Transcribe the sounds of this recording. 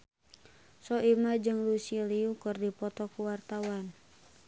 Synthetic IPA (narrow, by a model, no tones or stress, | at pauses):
sɔimad͡ʒɨŋlusiliukɨrdipɔt̪ɔkuwart̪awan